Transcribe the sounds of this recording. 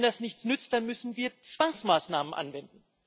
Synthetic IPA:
ndasnɪçt͡snʏt͡st̚d̥anmʏsn̩viːɐt͡sv̥aŋsmaːsnaːmənʔa̰nvɛndn̩

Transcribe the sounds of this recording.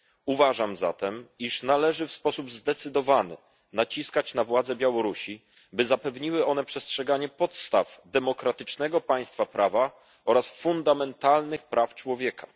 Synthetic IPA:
uvaʐamza̰t̪ɛmiʂnalɛʐɘfspɔsubzd̪ɛt̪sɘd̪ɔvanɘ̰ | nat͡ɕiskat͡ɕnavwad̪zɛbʲjawɔɾuɕi | bɘzapɛvɲiwɘʔɔn̪ɛpʂɛstʂɛɡaɲɛpɔt̪st̪avd̪ɛmɔkɾat̪ɘt͡ʂnɛɡɔpaj̃st̪fapɾʔava | ɔɾasfund̪amɛnt̪alnɘxpɾʔaft͡ʂwɔvʲjɛkʰḁ

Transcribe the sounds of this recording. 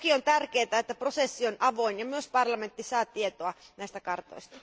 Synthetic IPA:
kiont̪ærkeːt̪æet̪ːæprosesːionɑʋoinjɑmyøspɑrlɑment̪ːisɑːt̪iet̪oɑnæˑist̪ækɑrt̪o̰istt̪ɑ̥

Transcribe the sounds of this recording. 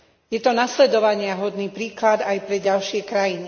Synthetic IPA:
jɛt̪ɔnaslɛd̪ɔʋaɲɪaɦɔd̪niːpɾiːklad̪ajpɾɛɟalʃɪɛkɾajini

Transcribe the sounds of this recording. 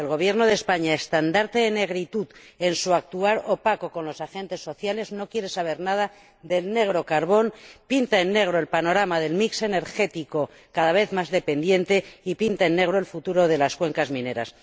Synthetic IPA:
e̞lɣ̞o̞β̞je̞ɾno̞ð̞e̞spaɲaest̪and̪aɾt̪e̞ðene̞ɣ̞ɾit̪uð | e̞nsuak̚t̪uaɾo̞pako̞konlo̞saxe̞nt̪e̞sːo̞θjale̞zno̞kje̞ɾe̞saβ̞e̞ɾnað̞a | ðe̞lne̞ɣ̞ɾo̞kaɾβo̞npint̪aenːe̞ɣ̞ɾoe̞lpano̞ɾamaðe̞lmikse̞ne̞ɾxe̞t̪iko̞ | kaðaβe̞θmazðe̞pe̞nd̪je̞nt̪e̞ipint̪aenːe̞ɣ̞ɾoe̞lfut̪uɾo̞ðe̞laskwe̞ŋkazmĩne̞ɾa̰s

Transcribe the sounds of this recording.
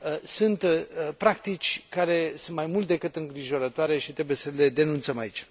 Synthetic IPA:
sɨnt̪pɾak̚t̪it͡ʃʲkaɾe̞sunt̪majmult̪̚d̪e̞kɨt̪ɨŋɡɾiʒo̞ɾət̪oaɾe̞ʃit̪ɾe̞buje̞səle̞d̪e̞nunt̪səmait͡ʃʲ

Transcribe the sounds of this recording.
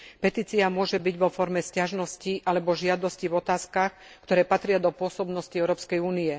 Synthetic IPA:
pɛt̪iːt͡siamʊɔʒɛbiɟʋɔfɔɾmɛscaʒnɔsciʔalɛbɔʒɪad̪ɔscivɔt̪aːskaxkt̪ɔɾɛːpat̪ɾɪad̪ɔpʊɔsɔbnɔsciɛʊɾɔːpskɛjuːniɛ

